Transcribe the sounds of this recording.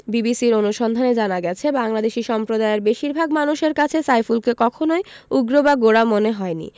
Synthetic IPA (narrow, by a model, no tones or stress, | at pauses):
bibisiɾonuʃɔnd̪ʱaned͡ʑanaɡɛt͡ɕʰebaŋlad̪eʃiʃɔmpɾod̪aeeɾbeʃiɾbʱaɡmanuʃeɾkat͡ɕʰesajfulkekɔkʰonojuɡɾobaɡoɽamoneɦɔenḭ